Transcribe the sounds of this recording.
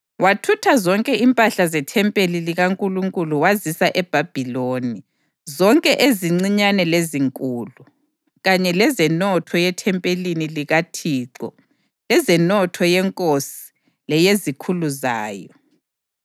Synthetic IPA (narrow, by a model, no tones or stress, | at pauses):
watʰutʰazɔŋkʼɛimpʼaɬazɛtʰɛmpʼeliliɣaŋkʼuluŋkʼuluwazisaʔɛb̥ʱab̥ʱiloːni | zɔŋkʼɛʔeziŋ͡ǀiɲanɛleziŋkʼuːlu | ɣaɲɛlɛzɛnɔtʰɔjɛtʰɛmpʼeliniliɣatʰiːǀɔ̰ | lɛzɛnɔtʰɔjɛŋkʼosi̥ | lɛjezikʰuluzaːjɔ